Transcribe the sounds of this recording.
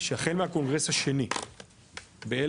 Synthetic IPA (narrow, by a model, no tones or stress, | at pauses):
ʃeaχelmehako̞nɡʁeshaʃe̞ni | bee